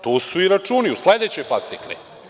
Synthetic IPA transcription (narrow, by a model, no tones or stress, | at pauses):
t̪uːsuiɾat͡ʂuːniusled̪et͡ɕo̞jfast̪iklḭ